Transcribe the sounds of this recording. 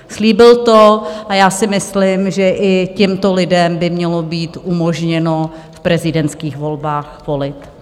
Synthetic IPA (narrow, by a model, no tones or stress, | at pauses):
sliːbɪlt̪oʔajaːsɪmɪslɪmʒɛʔɪcɛmt̪olɪdɛmbɪmɲɛlo̞biːt̪ʔumoʒɲɛno | fpɾɛzɪdɛnt͡skiːxvo̞lbaːxvo̞lɪt̪